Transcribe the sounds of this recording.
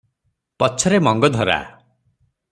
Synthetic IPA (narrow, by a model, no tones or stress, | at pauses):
pɔt͡ʃʰɔɾemɔŋɡɔd̪ʱɔɾa̰